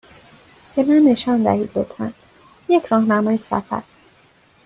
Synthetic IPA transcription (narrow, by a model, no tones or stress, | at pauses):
be̞mænːe̞ʃɒːnd̪æ̰hiːd̪lot̪ʰfæ̰n | jecʰɾɒːhnæmɒːjesæ̰fæ̰ɾ